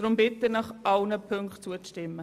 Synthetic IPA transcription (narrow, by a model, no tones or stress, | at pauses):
d̥ɾʊmbɪt̪ənɑχʔɑlnəpʰøŋkχtt͡suət͡stɪmːə